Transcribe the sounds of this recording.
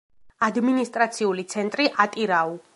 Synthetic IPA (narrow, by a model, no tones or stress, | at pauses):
ad̪minist̪ʼɾat̪sʰiulit̪sʰɛnt̪ʼɾiʔat̪ʼiɾau